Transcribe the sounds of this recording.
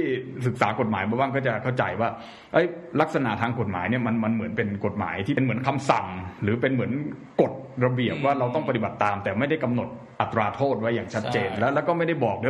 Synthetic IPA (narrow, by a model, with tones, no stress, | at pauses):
t̪ʰiː˥˩sɯ˨˩k̚saː˩˦ko˨˩t̪̚maː˩˦jba˧wbaː˥˩ŋk̬ɔː˥˩t͡ɕa˨˩kʰa˥˩wt͡ɕa˧jwaː˥˩ | ʔɤ˦˥jla˦˥k̚sa˧na̰˨˩t̪ʰaː˧ŋko˨˩t̪̚ma̰ː˩˦jni˥˩ɐma˧nma˧nmɯ˩˦ənpe˧nko˨˩t̪̚ma̰ː˩˦jt̪ʰiː˥˩˧nmɯ˩˦ənkʰa˧msa˨˩ŋɾɯː˩˦pe˧nmɯ˩˦ən | ko˨˩t̪̚ɾa˧bi˨˩əp̚waː˥˩ɾa˧wt̪ɔ˥˩pa˧t̪i˨˩ba˨˩t̪ːaː˧mt̪ɛː˨˩ma˥˩jda˥˩jka˧mno˨˩t̪̚ | ʔa˨˩t̪ːɾaː˧t̪ʰoː˥˩t̪̚wa˦˥jːaː˨˩ŋt͡ɕʰa˦˥t̪̚t͡ɕeː˧nlɛː˦˥lɛ˦˥wkɔː˥˩ma˥˩jda˥˩jbɔː˨˩k̚d